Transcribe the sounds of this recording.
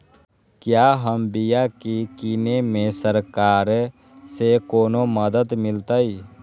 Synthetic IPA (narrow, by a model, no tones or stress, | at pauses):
kjaːɦəmbijakikiːnemẽsəɾkaːɾ | sekoːnoməd̪əd̪mɪlt̪ai